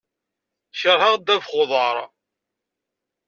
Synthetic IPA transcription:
ʃəɾhaʁd̪ːævχoðˤɑɾˤ

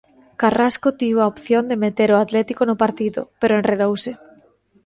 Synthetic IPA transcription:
karaskot̪iβoaopθjond̪emet̪eɾʊat̪lɛt̪ikonʊpaɾt̪iðʊ̰peɾoenreðowsɪ

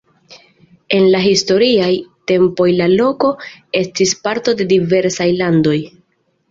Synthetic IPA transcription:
e̞nlaɦisto̞ɾiajte̞mpo̞jlalo̞ko̞e̞stispaɾto̞de̞dive̞ɾsajlando̞j

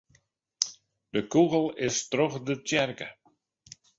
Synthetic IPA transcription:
d̥əkuɣl̩ˠɪstroxdətɛrkə

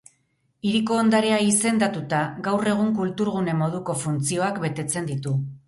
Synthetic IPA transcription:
iɾiko̞ːnd̪aɾe̞aise̞nd̪at̪ut̪aɡawre̞ɣ̞uŋkult̪uɾɣune̞mo̞ð̞uko̞funt͡sio̞akbe̞t̪e̞t͡se̞nd̪it̪u

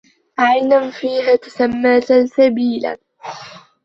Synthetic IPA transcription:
ʔajnanfiːɦaːt̪ḁsamːaːt̪asabiːla̰

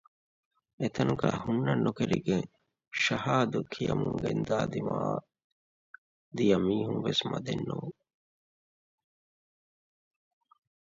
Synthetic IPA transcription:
et̪ʰɐnuɡæːhunːɐnːukeɾiɡeŋ | ʃɐhaːd̪ukʰijɐmuŋɡend̪aːd̪imaː | d̪ijɐmiːhuŋʋesmɐd̪enːuː

